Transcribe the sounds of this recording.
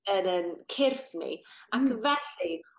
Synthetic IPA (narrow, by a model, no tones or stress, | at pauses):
ənənkʰɪrfnḭakvɛɬi